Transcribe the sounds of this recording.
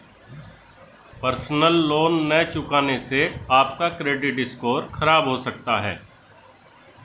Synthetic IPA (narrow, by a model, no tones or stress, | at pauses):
pəɾsnəlːoːnːɛt͡ʃʊkaːneseaːp̚kakɾeːɖɪʈ̚ɖɪskoːɾxʰɐɾaːbɦosɐk̚t̪aɦɛ̰ː